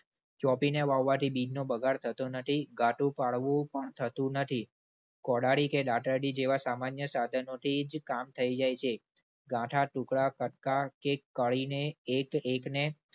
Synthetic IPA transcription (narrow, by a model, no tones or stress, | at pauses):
t͡ʃɔpineʋaʋːat̪ʰibid͡ʒnobəɡʱaɽt̪ʰət̪onət̪ʰiɡʱãʈũpaɭʋũpəɳt̪ʰət̪ũnət̪ʰi | kɔɽaɽikeɗaʈəɖid͡ʒeʋasamanjəsad̪ʱənot̪ʰid͡ʒkamt̪ʰəid͡ʒajt͡ʃʰe | ɡãʈʰaʈũkɭakəʈ̚kakekːəɭineːkekne